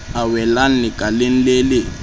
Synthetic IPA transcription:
awɛlan̩liɡʼalen̩leːlɪ

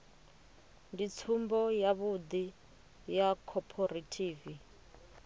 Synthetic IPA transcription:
ndit͡sʰumbɔjaβud̪i | jakʰɔpʰɔɾatʰiːvi

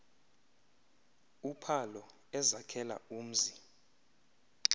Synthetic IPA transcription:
upʰalɔ | ɛzakʰɛla̰uːm̩zi

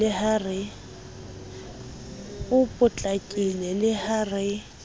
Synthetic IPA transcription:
ɪharɪ | ʊpʼʊt͡ɬʼakʼilɛlɪhaːrɪ

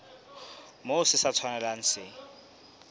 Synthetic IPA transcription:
mosɪsat͡sʰwanalan̩sɪ

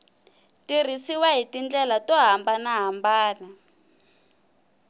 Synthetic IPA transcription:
tir̤isiwaɦitind͡ɮɛlatɔɦambanaɦambaːna

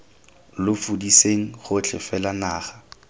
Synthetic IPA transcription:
lʊfudiseŋ̩χʊt͡ɬʰɪ̰fɛlanaːχa

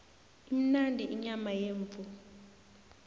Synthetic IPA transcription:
im̩nandʱʼiʔiɲamajeːɱfu

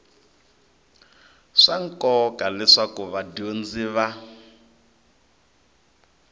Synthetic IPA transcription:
ʂaŋ̩kɔkalɛʂakuβadond͡ziβa

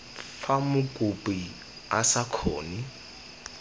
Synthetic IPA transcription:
famʊkʼupʼi | asakʰɔːni

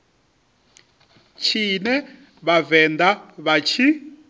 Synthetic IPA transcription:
t͡ʃʰinɛ | βavɛnd̪aβat͡ʃʰi

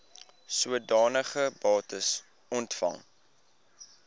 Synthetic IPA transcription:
suədɑːnəχəbɑːtəs | ɔntfɐ̰ŋ

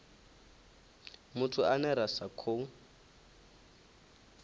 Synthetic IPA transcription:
mʊtʰuanɛɾasakʰoːŋ̩

